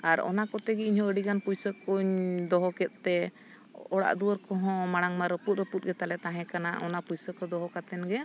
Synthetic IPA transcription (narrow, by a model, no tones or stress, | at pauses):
aɾɔ̰nakɔt̪ɛɡɛiɲɦɔ̃əɽiɡanpujsəkuɲd̪ɔɦɔkɛt̪̚ˀt̪ɛ | ɔɽa̰ʔd̪uwəɾkɔɦɔ̃maɽ̃aŋmaɾɔput̪̚ɾɔput̪̚ˀɡɛt̪alɛt̪aɦɛ̃kana̰ʔɔnapujsəkɔd̪ɔɦɔkat̪ɛnɡɛ